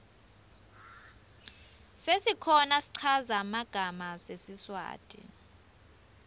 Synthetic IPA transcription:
sesikʰɔnasi̥ǀʰazamaɡ̥ʱamasesiswa̰ːtʼḭ

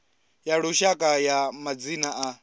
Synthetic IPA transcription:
jaɺuʃakʼajamad͡zinaʔa

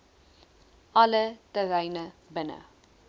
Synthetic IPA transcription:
ʔɐlətəɾɛjnəbənə̰

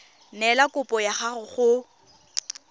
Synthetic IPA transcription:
nɛlakʼʊpʼɔjaχarʊχʊ

